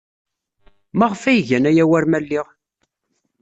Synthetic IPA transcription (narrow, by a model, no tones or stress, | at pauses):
maʁfæjʝænæjæwæɾmælːiʁ